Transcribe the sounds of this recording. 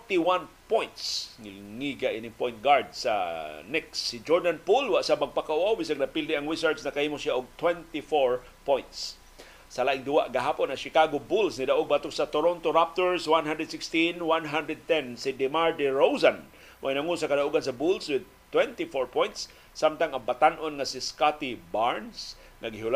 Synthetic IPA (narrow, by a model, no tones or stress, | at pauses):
t̪iwãnpõjnt̪sŋilŋiɡaʔinɪŋpojnt̪̚ɡaɹd̪sa̰nɛksːid͡ʒɔɹd̪anpulwaʔsabaɡ̚pakaʔuawbisaŋnɐpild̪ɪʔaŋɾisaɹt̪snɐkahiːmʊsiaʔʊɡ̚t̪wɛ̃nt̪ifoɹ | pojnt̪s | salaʔɪŋd̪uwaʔɡaɦaponaʃɪkaɡobulsnɪd̪aʔoɡ̚bat̪ʊksat̪oɾont̪oɾap̚t̪oɹswanɦand̪ɾɛd̪sɪkst̪inwanɦand̪ɾɛd̪̚t̪ɛnsid̪ɛmaɹd̪ɪɹows̬an | mʔainaŋʊnsakad̪aʔuɡans̬abulswɪd̪̚ | t̪wɛnt̪ifoɹpõjnt̪sː | amt̪aŋaŋbat̪anʔonŋasiskat̪ibaɹns | ŋaɡɪɦʊl